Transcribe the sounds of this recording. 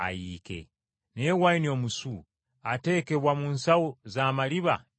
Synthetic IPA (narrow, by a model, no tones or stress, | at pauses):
a̰jiːkḛ | newainio̞musu | ate̞ke̞βwamunsawozaːmaliβa̰